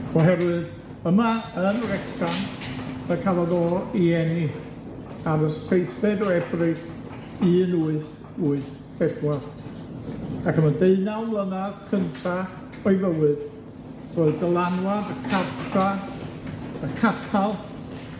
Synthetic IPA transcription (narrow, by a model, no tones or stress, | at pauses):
ɔɦɛɾwɨð | əmaənrɛktanəkʰalˠaðɔːiɛni | aɾəsejθɛdɔɛbrɨs | ɨnuːɨθ | uːɨθ | d̥ɛbwar | akʰəmadeɨnawmlˠənaðkʰəntʰa | ɔɨvəwɨd̥ | roːɨðdəlˠanwadəkʰartʰra | əkʰatʰalˠ